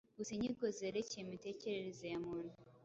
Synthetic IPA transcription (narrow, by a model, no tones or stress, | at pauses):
ɡuseɲiɡozeːɾecejemite̞ːceɾeɾezejamuɾ